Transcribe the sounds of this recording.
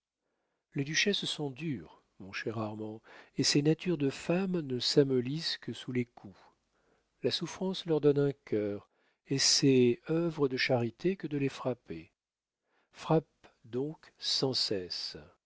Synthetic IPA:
led̪yʃɛssɔ̃d̪yːʁ | mɔ̃ʃɛʁaʁmɑ̃esenat̪yʁd̪əfamnəsamɔliskəsulekʰu | lasufχɑ̃slœʁd̪ɔnɛ̃kʲʰœːʁ | esɛœvʁəd̪əʃaʁit̪ʰekəd̪əlefχape | fχap̚d̪ɔ̃k | sɑ̃sɛs

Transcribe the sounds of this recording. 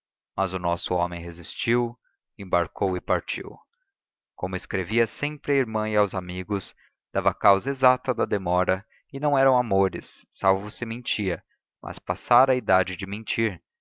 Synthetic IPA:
mɐzʊnɔsʊɔmẽj̃ɦezist͡ʃiw | ẽbaɾkowɪpaɾt͡ʃḭw | komʊɪskɾeviɐsẽmpɾɪɐiɾmɐ̃iawzamiɡʊs | d̪̥avɐkawzɐezat̪ɐd̪ɐd̪emɔɾɐ | ɪnɐ̃w̃ɛɾɐ̃w̃amoɾɪ̰sːawvʊsɪmẽnt͡ʃiɐ | mʔɐ̰spasaɾɐid̪ad͡ʒɪd͡ʒɪmẽnt͡ʃiɾ

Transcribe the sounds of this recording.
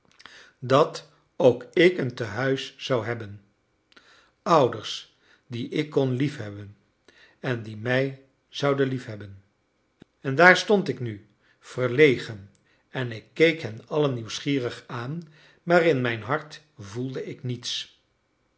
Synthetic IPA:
dɑt | owkɪkəntəɦœɥsːɑwɦɛbən | ʌwdəɹs | diʔɪkːɔnlifɦɛbən | ɛndimɛj | z̥ʌwdənlifɦɛbən | ɛndaːɹstɔntɪkny | v̥ərlejχən | ɛnɪkːejkɦɛnɑlənːiwsχiːrəχaːn | maːrɪnmɛjnɦɑɹt | vulˠdəɪknits

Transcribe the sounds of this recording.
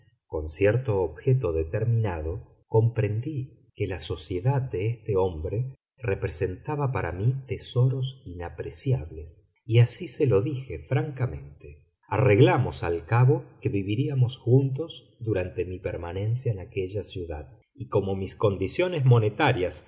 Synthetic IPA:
ko̞nsjeɾt̪oːβxet̪o̞ðet̪eɾmĩnaðo̞ | ko̞mpɾe̞nd̪i | kelaso̞sje̞ðad̪d̪eest̪eo̞mbɾe | repɾese̞nt̪aβapaɾa̰mit̪eso̞ɾosinapɾesjaβle̞s | iasiselo̞ðixe̞fɾaŋkamẽ̞̰nt̪e | areɣlamosa̰lkaβo̞keβiβiɾiamo̞sxunt̪o̞z | d̪uɾant̪e̞mipeɾmanẽ̞nsjaenakeʒasjuða̰ð | iko̞mo̞misko̞nd̪isjo̞nezmo̞net̪aɾjas

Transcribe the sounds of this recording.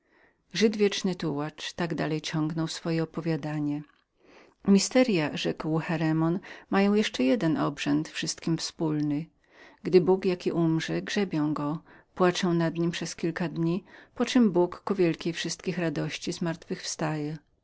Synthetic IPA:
ʐɘd̪vʲjɛt͡ʂnɘt̪uwat͡ʂt̪aɡd̪alɛjt͡ɕɔŋɡnɔwsfɔjɛɔpɔvʲjad̪aɲɛ | mʲist̪ɛɾʲjaʐɛkwxɛɾɛmɔnmajɔ̃w̃jɛʂt͡ʂɛjɛd̪ɛnʔɔbʐɛnt̪fʂɘst̪kʲimfspulnɘ | ɡd̪ɘbukjakʲiʔumʐɛɡʐɛbʲjɛ̃w̃ɡɔ | pwat͡ʂɛw̃nad̪ɲimpʂɛskʲilkad̪ɲipɔt͡ʂɘmbukːuvʲjɛlkʲejfʂɘst̪kʲixɾad̪ɔɕt͡ɕizmaɾt̪fɘxfst̪ajɛ

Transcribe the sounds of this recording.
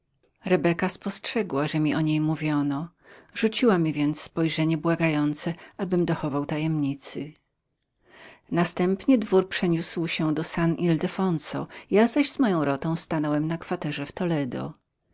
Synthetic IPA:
ɾɛbɛkaspɔstʂɛɡwaʐɛmʲiʔɔɲejmuvʲjɔnɔ | ʐut͡ɕiwamʲivʲjɛnt̪sspɔjʐɛɲɛbwaɡajɔnt̪sɛʔabɘmd̪ɔxɔvawt̪ajɛmɲit̪sɘ | nast̪ɛmpɲɛd̪vuɾpʂɛɲuswɕɛd̪ɔsanʔild̪ɛfɔnsɔ̰jazaʑzmɔjɔ̃w̃ɾɔt̪ɔ̃w̃st̪anɔwɛmnakfat̪ɛʐɛft̪ɔlɛd̪ɔ̰

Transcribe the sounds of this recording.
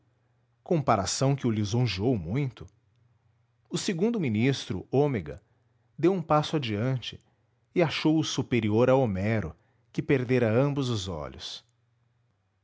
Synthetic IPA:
kõpaɾasɐ̃w̃kɪʊlizõʒiowmũj̃t̪ʊ | ʊseɡũnd̪ʊminist̪ɾʊ̰omeɡɐ̰ | d̪ewũpasʊad͡ʒiɐ̃t͡ʃɪ̥ | ɪaʃowʊsupeɾioɾawomɛɾʊ | kɪpeɾd̪eɾɐɐ̃mbʊzʊzɔ̰ʎʊ̰s

